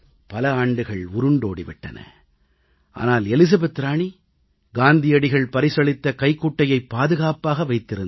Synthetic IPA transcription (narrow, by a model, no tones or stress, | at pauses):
pɐlɐaːɳɖɯɣɐɭʊɾɯɳɖoːɽiʋɪʈːɐ̰nɐ̰ | ʔa̰ːnaːlɛlɪs̬ɐbɐt̪ːɾaːɳi | ɡaːnd̪ɪjɐɽɪɣɐɭpɐɾɪsɐɭɪt̪ːɐkɐɪkːuːʈːɐjɐɪpːaːðɯɣaːpaːɣɐʋɐɪt̪ːɪɾɯn